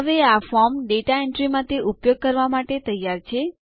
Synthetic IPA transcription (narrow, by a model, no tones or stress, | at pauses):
ɦəʋeafɔɾmɖeʈaeɳʈɾimãt̪eʔupjoɡ̚kəɾʋamaʈet̪əjaɾt͡ʃʰe